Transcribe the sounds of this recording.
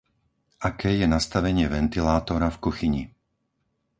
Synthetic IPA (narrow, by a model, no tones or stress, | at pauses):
akɛːjɛnast̪aʋɛɲɪɛʋɛnt̪ilaːt̪ɔɾafkuxiɲi